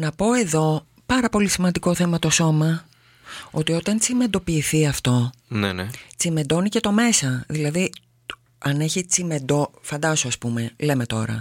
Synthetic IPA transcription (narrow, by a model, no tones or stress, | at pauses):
nɐpo̞e̞ðo̞ | pɐɾɐpo̞lisimɐnd̪iko̞θe̞mɐt̪o̞so̞mɐ | o̞t̪io̞t̪ɐnt͡sime̞nd̪o̞piːθiɐft̪o̞ | nenet͡sime̞d̪o̞nice̞t̪o̞me̞sɐðilɐði | ɐne̞çit͡sime̞d̪ofɐnd̪ɐsoɐspume̞leme̞t̪o̞ɾɐ̰